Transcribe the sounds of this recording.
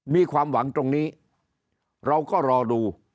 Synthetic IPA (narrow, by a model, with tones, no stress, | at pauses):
miː˧kʰwaː˧mwa˩˦ŋt̪o˧ŋniː˦˥ | ɾa˧wkɔː˥˩ɾɔː˧duː˧